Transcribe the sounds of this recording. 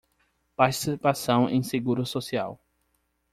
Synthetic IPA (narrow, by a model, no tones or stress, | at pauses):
paɾt͡ʃi̥sipasɐ̃w̃ḛ̃j̃seɡuɾʊsosia̰w